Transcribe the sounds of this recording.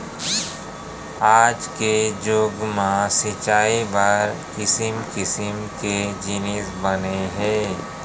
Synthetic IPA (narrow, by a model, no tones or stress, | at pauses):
aːd͡ʒked͡ʒoːɡmãsɪt͡ʃaːibaɾkɪsɪmkɪsɪmked͡ʒɪnɪsbəneɦɛ̃ː